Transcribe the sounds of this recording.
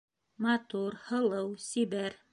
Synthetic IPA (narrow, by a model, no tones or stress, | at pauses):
mɑt̪uɾhɤ̆lˠɤwsiβæɾ